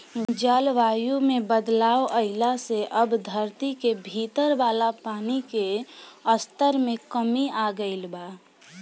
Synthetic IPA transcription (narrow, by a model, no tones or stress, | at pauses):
d͡ʒaːlʋaːjumẽbəd̪laːoʔəɪlaseʔəbd̪ʱəɾt̪ikebʱiːt̪əɾʋaːlapaːnikeəst̪əɾmẽkəmiaɡəɪlbaː